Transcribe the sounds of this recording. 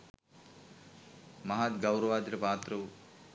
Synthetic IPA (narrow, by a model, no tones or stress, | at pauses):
mɐɦat̪ɡɐwɾɐʋaːd̪ɾɐpaːt̪ɾɐ